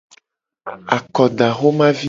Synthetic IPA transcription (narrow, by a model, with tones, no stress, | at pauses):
a˨kɔ˨ɖa˨xo˦mã˦vi˦